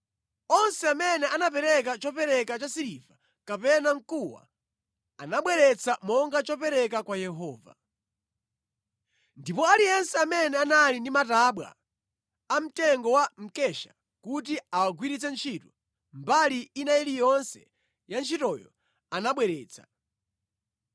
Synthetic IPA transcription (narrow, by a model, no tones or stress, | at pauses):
ɔnsɛamɛnɛʔanap̬ɛɾɛkat͡ʃɔpɛɾɛkat͡ʃasiɾiva | kapɛnaŋ̩kuwa̰ | anaɓwɛɾɛt͡sʰamɔŋɡat͡ʃɔpɛɾɛkakwajɛɦɔːva̰ | ndipɔalijɛnsɛamɛnɛanalindimataːɓwa̰ | am̩tɛŋɡɔwam̩kɛʃḁ̰ | kutiawaɡwiɾit͡sɛnt͡ʃʰitu | mbaliːnajilijɔnsɛ̰ | jant͡ʃʰitɔjɔ̰ | anaɓwɛɾɛːt͡sʰḁ̰